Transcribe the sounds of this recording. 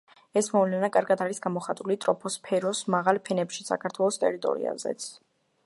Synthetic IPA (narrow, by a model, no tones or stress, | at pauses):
ɛsmɔvlɛnakʼaɾɡad̪aɾisɡamɔχat̪ʼulit̪ʼɾɔpʰɔspʰɛɾɔsmaʁalˠpʰɛnɛpʃi̥sa̰kʰaɾt̪ʰwɛlˠɔst̪ʼɛ̰ɾit̪ʼɔ̰ɾḭa̰zɛ̰t̪sʰ